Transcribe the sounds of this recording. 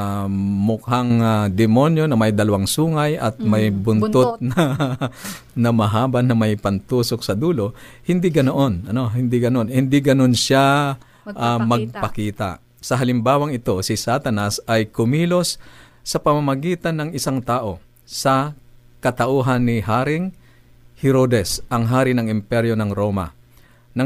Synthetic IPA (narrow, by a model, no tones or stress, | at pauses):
mʊk̚haŋad̪ɛmo̞njo̞nɐmɐjd̪ɐlɐwaŋsuːŋɐjʔɐt̪̚mɐjbʊntt̪ot̪̚nɐ | nɐmɐɦaːbɐnːɐmɐjpɐnt̪uːsok̚sɐd̪uːlo̞ | hɪnd̪ɪɡɐnoʔonʔɐno̞ɦɪnd̪iɡɐno̞nhɪnd̪ɪɡɐno̞nʃa | ʔamɐɡ̚pɐkiːt̪a̰ | sɐɦɐlɪmbaːwɐŋɪt̪o̞sɪsat̪ɐnasɐjkʊmiːlo̞sː | ɐpɐmɐmɐɡiːt̪ɐnːɐŋɪsaŋt̪aːʔo̞ | sɐ | kɐt̪ɐʔuːɦɐnːɪɦaːɾɪŋ | hɛɾoːd̪ɛsɐŋɦaːɾɪnɐŋɪmpɛɾjonɐŋɾoːmɐ̰ | nɐ